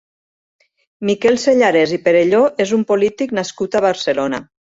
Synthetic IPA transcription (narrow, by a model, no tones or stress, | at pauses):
mikɛlˠseʎaɾezipeɾeʎoʔezumpolit̪iknaskut̪aβ̞aɾselona̰